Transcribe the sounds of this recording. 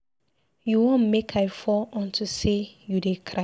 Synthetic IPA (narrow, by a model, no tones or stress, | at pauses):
juwõnmekʰaɪfɔɔ̃ntʰusejudekʰɾa